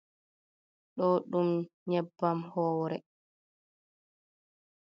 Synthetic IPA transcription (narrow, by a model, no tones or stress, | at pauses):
ɗɔɗumɲɛbːamhɔːwɾɛ